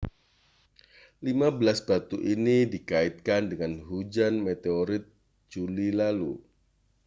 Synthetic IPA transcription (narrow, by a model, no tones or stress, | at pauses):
limabəlasbat̪uʔinidikaɪt̪̚kandəŋanɦud͡ʒanmet̪eoɾɪt̪̚ | d͡ʒulilalṵ